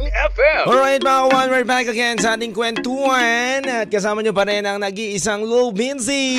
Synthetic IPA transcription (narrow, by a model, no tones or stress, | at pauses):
ɛfɛɔlɹajt̪̚makɐwãnwɛɹbækɐɡɛnsɐʔaːt̪ɪŋkwɛnt̪uwɐnɐt̪̚kɐs̬aːmɐɲopɐɾɛnɐŋnɐɡiʔɪsaŋlobɪnsi